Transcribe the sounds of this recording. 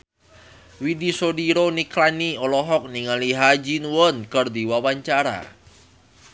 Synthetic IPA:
widisodiɾoniklaniɔlɔɦɔk̚niŋaliɦad͡ʒinwɔnkərd̪iwawaɲt͡ʃaɾa̰

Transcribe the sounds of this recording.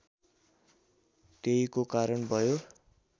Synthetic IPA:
t̪eikokaɾʌnbʱʌjo

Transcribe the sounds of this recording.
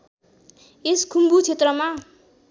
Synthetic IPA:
eskʰumbut͡sʰet̪rʌma

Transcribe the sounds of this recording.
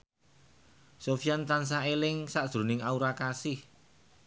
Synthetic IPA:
sofijant̪ans̬aelɪŋsaʔd̥ɾo̤nɪŋauɾakasɪh

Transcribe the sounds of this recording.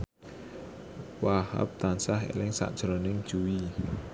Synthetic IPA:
waha̰p̚t̪ansaɦḛlɪŋsa̰ʔd̥ʒ̥ɾɔnɪŋ̥ʒ̥uwi

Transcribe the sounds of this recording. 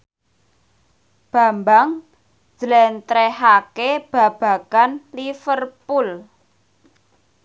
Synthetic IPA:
b̥ä̤mbaŋ̥ | z̥lɛnt̪ɾɛɦakeb̥ä̤b̥ä̤kanlifərpul

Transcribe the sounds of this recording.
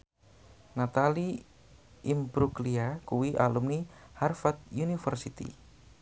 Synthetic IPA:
nat̪ali | imbɾukliakuwiʔa̰lumniharfat̪̚junifərsit̪ḭ

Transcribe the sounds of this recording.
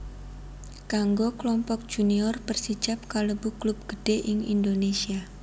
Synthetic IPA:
kaŋɡoklɔmpɔk̚d̥ʒ̥uniɔrpərsi̥d͡ʒap̚kalobuklup̚ɡ̥əɖ̥eʔɪŋḭndonesia

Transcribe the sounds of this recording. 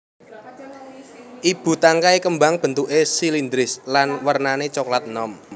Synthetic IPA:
ʔib̥ṳt̪aŋkaekəmbaŋb̥ə̤nt̪uʔesilind̪ɾɪslanwərnanet͡ʃoklat̪̚nɔm

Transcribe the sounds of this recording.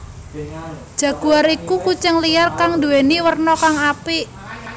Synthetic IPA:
d̥ʒ̥ä̤ɡ̥uaɾikukut͡ʃəŋlijarkaŋd̪ṳweniwərnɔkaŋapiʔ

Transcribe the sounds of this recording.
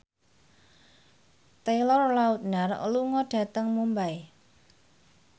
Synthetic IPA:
t̪elɔrlaut̪̚nar̰luŋɔɖ̥a̤t̪əŋmumbae

